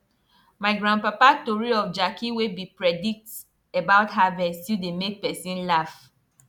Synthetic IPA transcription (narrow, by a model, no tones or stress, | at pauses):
maɪɡɹãnpapatɔɹiɔfd͡ʒakʰiwebipɹɛdik̚t | ebaʊtɦavɛstidemek̚pɛsĩnlaf